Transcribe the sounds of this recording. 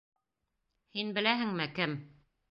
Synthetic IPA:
hinbɘ̆læɦɘ̆ŋmɘkɘm

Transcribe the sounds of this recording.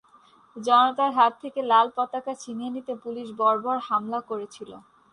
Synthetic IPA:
d͡ʑɔnot̪aɾɦat̪ʰːekelalpɔt̪akat͡ɕʰinienit̪epuliʃbɔɾbɔɾhamlakoɾet͡ɕʰilo̰

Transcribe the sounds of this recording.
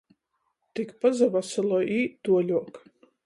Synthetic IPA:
t̪ikpazavasɨlˠɔʔiːd̪uɔlʲuɔk

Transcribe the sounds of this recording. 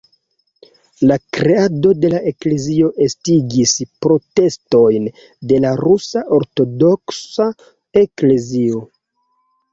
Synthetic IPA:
lakɾeado̞de̞laʔe̞kle̞zio̞ʔe̞stiɡispɾo̞te̞sto̞jn | de̞laɾusaʔo̞ɾto̞do̞ksa | e̞kle̞zio̞

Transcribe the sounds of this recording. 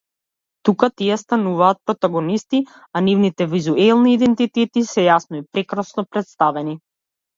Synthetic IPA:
t̪ukat̪iɛst̪anuvaːt̪̚pɾɔt̪aɡɔnist̪i | anivnit̪ɛvizuɛlˠniːd̪ɛnt̪it̪ɛt̪isɛjasnɔipɾɛkɾasnɔpɾɛt̪st̪avɛni

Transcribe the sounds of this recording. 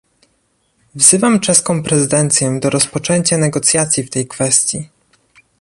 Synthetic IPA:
vz̥ɘvamt͡ʂɛskɔ̃w̃pɾɛzɘd̪ɛnt̪sʲjɛd̪ɔɾɔspɔt͡ʂɛɲt͡ɕanɛɡɔt̪sʲjat̪sʲjift̪ɛjkfɛst̪ʲji

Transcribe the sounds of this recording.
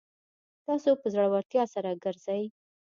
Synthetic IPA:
t̪ɑsopəzaɽwaɾt̪jɑsaɾaɡəɾzaj

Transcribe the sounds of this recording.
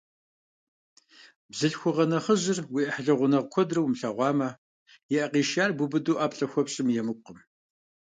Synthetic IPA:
bzɨɬxʷʊʁɐnɐχəʑɪrwiːʔɐħɮɐʁʷʊnɐʁkʷʰɔdrɐwmɬɐʁʷɑːmɐ | jɛʔɐqiːʃaːrbʊbɨduːʔaːpɬʼɐxʷɔpɕʼɪmjɛmɨqəm

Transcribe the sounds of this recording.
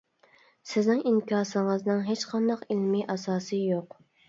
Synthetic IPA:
sɪznɪŋiŋkʲʰɑːsəŋəznɨŋɦet͡ʃqʰɑnd̪ɑqilmiʔɑsɑːsɨjoq

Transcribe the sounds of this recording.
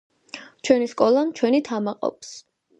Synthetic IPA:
t͡ʃʰwɛniskʼɔlˠamt͡ʃʰwɛnit̪ʰamaqʼɔ̰ps

